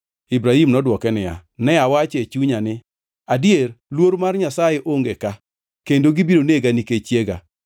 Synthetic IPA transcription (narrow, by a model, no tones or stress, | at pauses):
ibɾahimnɔdwɔkɛnɪja̰nɛawat͡ʃet͡ʃuɲanɪ | adjerlwoɾmarɲasajeʔoŋɡeka | kendoɡibiɾoneɡaniket͡ʃjeɡa̰